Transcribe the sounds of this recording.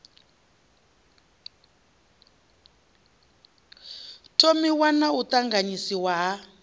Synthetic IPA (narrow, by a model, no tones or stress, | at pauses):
tʰʼomiwanautaŋɡaɲisiwaɦa